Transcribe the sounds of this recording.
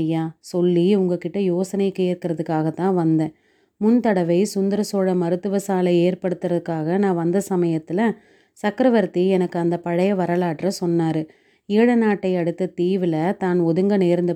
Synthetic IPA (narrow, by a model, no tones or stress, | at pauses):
jaːsɔlːiʊŋɡɐkɪʈːɐjoːsɐnɐɪkːɯːɪɾkɪɾɐðɯkːaːɣɐt̪ːãːʋɐnd̪ẽː | mʊnt̪ɐɽɐʋɐɪsʊnd̪ɐɾɐsoːɻɐmɐɾɯt̪ːɯʋɐsaːlɐeːɾpɐɽɯt̪ːɯɾɐðɯkːaːɣɐnãːʋɐnd̪ɐsɐmɐjɐt̪ːɪlɐ | sɐkːɾɐʋɐɾt̪ːiɛnɐkːɯɐnd̪ɐpɐɻɐjɐʋɐɾɐlaːʈrɐsɔnːaːɾɯ | iːɻɐnaːʈːɐɪɐɽɯt̪ːɐt̪iːʋɪlɐt̪aːnɔðɯŋɡɐneːɾnd̪ɐ